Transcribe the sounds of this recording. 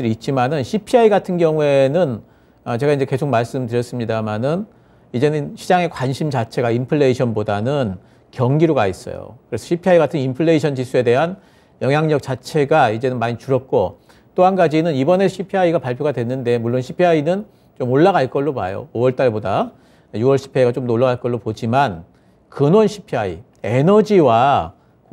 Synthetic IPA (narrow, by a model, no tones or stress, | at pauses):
ɯɾiit̚t͡ɕ͈imanɯnɕʰipʰiaiɡatʰɯnɡjʌŋue̞nɯn | ʌt͡ɕe̞ɡaind͡ʑe̞ke̞sʰok̚maɭs͈ɯmtɯɾjʌs͈ɯmɲidamanɯn | id͡ʑe̞nɯnɕʰid͡ʑaŋe̞kwanɕʰimt͡ɕat͡ɕʰe̞ɡaimpʰɯɭːe̞iɕʰʌnbodanɯn | kjʌŋɡiɾoɡais͈ʌ̰jo̰kɯɾe̞sʰʌɕʰipʰiaiɡatʰɯnimpʰɯɭːe̞iɕʰʌnd͡ʑisʰue̞de̞ɦan | jʌŋɦjaŋɲʌk̚t͡ɕ͈at͡ɕʰe̞ɡaid͡ʑe̞nɯnmaɲit͡ɕuɾʌt̚k͈o | t͈oɦanɡad͡ʑinɯnibʌne̞ɕʰipʰiaiɡapaɭpʰjoɡadwe̞nːɯnde̞muɭːonɕʰipʰiainɯn | t͡ɕomoɭːaɡaɭk͈ʌɭːopa̰jo̰owʌɭt͈aɭboda | juwʌɭɕʰi̥pʰeiɡat͡ɕomnoɭːaɡaɭk͈ʌɭːopod͡ʑiman | kɯnwʌnɕʰipʰiaḭ | e̞nʌd͡ʑiwa